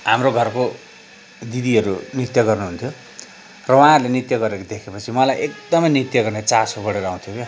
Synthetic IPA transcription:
ɦamroɡʱʌrko | d̪id̪iɦʌɾunit̪jʌɡʌrnuɦunt̪ʰjo | rʌwaɦãɦulenit̪jʌɡʌɾekod̪ekʰepʌt͡sʰimʌlajʔekd̪ʌmʌjnit̪jʌɡʌrnet͡sasobʌɽeɾʌaw̃t̪ʰjoke

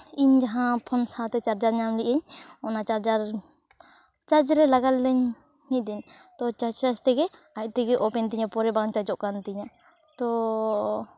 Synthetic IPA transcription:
iɲd͡ʒaɦãpʰɔnsãt̪ɛt͡ʃaɾd͡ʒaɾɲamliʔɛɲɔnat͡ʃaɾd͡ʒaɾ | t͡ʃad͡ʒɾɛlaɡald̪ɛɲ | mid̪ɛɲt̪ɔt͡ʃad͡ʒt͡ʃad͡ʒt̪ɛɡɛ | at̚t̪ɛɡɛʔɔpɛnt̪iɲapɔɾɛbant͡ʃad͡ʒɔʔkant̪iɲa | t̪ɔ

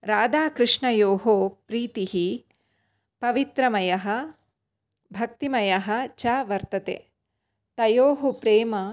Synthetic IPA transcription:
ɾaːd̪aːkɾɨʂɳɐjoːɦoːpɾiːt̪iɦi | pɐʋit̪ɾɐmɐjɐɦɐ̆ | bʱɐk̚t̪imɐjɐɦɐ̆t͡ʃaːʋɐɾt̪ɐt̪ḛː | t̪ɐjoːɦupɾeːmɐ

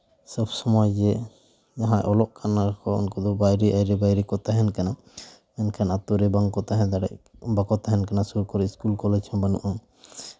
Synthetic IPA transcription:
səbsɔmɔjd͡ʒɛ | jaɦãʔɔlɔʔkʰanakɔɔ̰nkɔd̪ɔbajɾɛʔajɾɛbajɾɛkɔt̪aɦɛnkana | ɛnkʰanat̪uɾɛbaŋkɔt̪aɦɛ̃nd̪aɽɛ̰ʔbakɔt̪aɦɛnkanasuɾkɔɾɛiskulkɔlɛd͡ʒhɔbanṵʔɔ

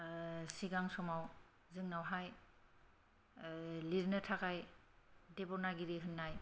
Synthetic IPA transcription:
siɡaŋsɔmaw | zɯŋnawɦaj | liɾnɯtʰakaj | debɔnaɡiɾiɦɯnːaj

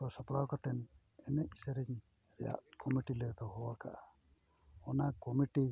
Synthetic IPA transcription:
ɔsɔpɽawkɔt̪ɛn | ɛnɛʔisəɾɛɲ | ɾɛ̰ja̰ʔkɔmiʈilet̪ɔɦɔwaka̰ʔa | ɔnakɔmiʈi

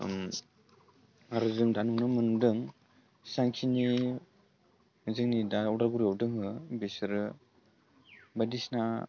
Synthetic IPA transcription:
m | aɾɯzɯŋdanunɯmɯnumdɯŋ | saŋkʰini | zɯŋnidaɔdaɾɡuɾijɔwdɯŋɦɯbesɾɯ | badisna

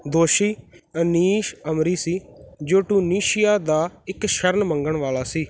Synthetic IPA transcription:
d̪oːʃiːəniːʃəmɾiːsiːd͡ʒoːʈuːniːʃɪjaːd̪aːɪkʃəɾnməŋɡəɳʋaːlaːsiː

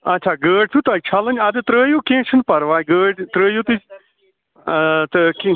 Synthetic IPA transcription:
ɐtːt͡ʃʰaːɡəːɖ̚t̪ʰut̪ɐt͡ʃʰaːlənʲɐd̪t̪ɾəːjoːkẽːt͡ʃʰɨnpɐɾʋaːjɡəːɖt̪ɾəːjot̪it͡ʃ | t̪ɐkĩ

